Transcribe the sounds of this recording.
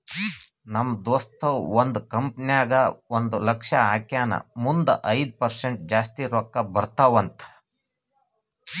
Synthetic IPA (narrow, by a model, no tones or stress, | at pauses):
nɐmːd̪ɔːst̪ʰɐwond̪ukɐmpnjaːɡɐond̪ulɐkʂɐaːkjaːnɐ̰mund̪ɐʔɐjd̪̚pɐɾseɳʈ̚d͡ʒaːst̪iɾɔkːɐbɐɾt̪aʋɐnt̪ʰ